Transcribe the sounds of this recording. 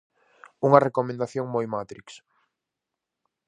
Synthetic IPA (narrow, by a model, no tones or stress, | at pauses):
uŋɐrekomẽnd̪aθjoŋmojmat̪ɾiks